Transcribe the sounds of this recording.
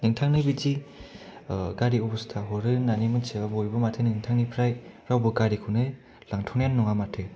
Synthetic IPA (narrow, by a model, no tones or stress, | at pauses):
nɯŋtʰaŋnɯbid͡ʒi | ɡaɾiubɯstʰaɦɔɾɯnanimɯseabojbɯmatʰenɯŋtʰaŋnipʰɾajɾawbɯɡaɾikʰunɯ | laŋtʰɔŋjanːɔŋamatʰɯ